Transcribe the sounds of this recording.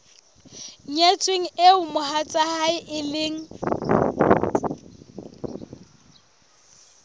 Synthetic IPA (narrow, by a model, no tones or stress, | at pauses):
ɲet͡sʼweŋ̩eʊmʊhat͡sʼahaɪʔɪleːŋ̩